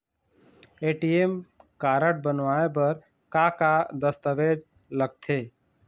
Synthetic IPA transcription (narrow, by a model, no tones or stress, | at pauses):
eːʈiemkaɾəʈ̚bənʋaebəɾ | kakad̪əst̪əʋed͡ʒ | ləɡ̚t̪ʰe